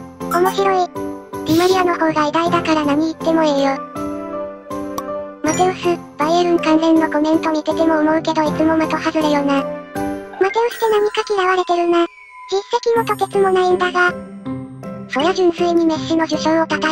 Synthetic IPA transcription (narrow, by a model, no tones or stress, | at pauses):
o̞mo̞ɕiɾo̞iɾʲimaɾʲiano̞ho̞ːɡaid̪aid̪akaɾanaɲ̟iːt̪ːe̞mo̞eːjo | mat̪e̞osɨ | b̥aieɾɯ̟̃ŋkãnd͡zẽ̞nːo̞ko̞mẽ̞nt̪o̞ɲ̟id̪e̞t̪e̞mo̞ːmo̞ɯ̟ke̞d̪o̞it͡sɨmo̞mat̪o̞hazɨɾajo̞ːna | mat̪e̞osɨ̥t̪e̞naɲ̟ikakʲiɡaβaɾe̞t̪e̞ɾɯ̟na | d͡ʑisːe̞kʲimo̞t̪oke̞t͡sɨmo̞naĩnd̪aɡa | so̞jaʑĩnsɨiɲ̟ime̞ɕːɨno̞ʑɨɕõɰo̞t̪at̪a